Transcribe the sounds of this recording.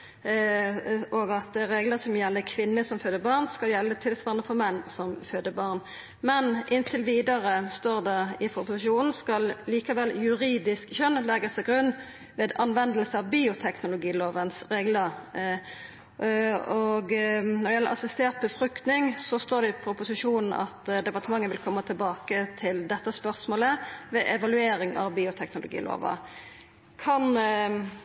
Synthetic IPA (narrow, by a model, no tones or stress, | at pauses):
ɔɡɑt̪̚d̪ɛɾeːɡləsɔmjɛlːəkʰʋɪnːəsɔmføːd̪əbɑʁnskɑljɛlːət̪ʰɪlsʋɑʁnəfɔʁmɛnːsɔmføːd̪əbɑʁn | mɛnʔɪnt̪ʰɪlʋiːd̪əʁəst̪oːʁd̪ɛɪfɔɾʊpʊsɪʃuːnn̩skɑlliːkɑʋɛljʉɾiːd̪ɪskçœnlɛɡəsɑɡʁʉnː | ʋeːd̪ɑnʋɛnd̪əlsəɑʋbiːʊt̪ʰɛknʊlʊɡiːloːʋənsɾeːɡlə | ɔɡnɔʁd̪ɛjɛlːə̰ɾʔɑ̰sɪst̪eːʁt̪̚bəfɾʉkt̪nɪŋsɔst̪oːʁd̪ɛɪpʰɾʊpʊsɪʂuːnn̩ɑ̰t̪d̪ɛpɑʁt̪əmɑŋːənʋɪlkʰɔmːət̪ʰɪlbɑːkət̪ʰɪld̪ɛt̪ːəspœʁsmoːləʋeʔɛʋɑlʉeːɾɪŋɑ̰ʋbiːʊt̪ʰɛknʊlʊ̰ɡḭːlo̰ːʋɑ̰ | kʰɑn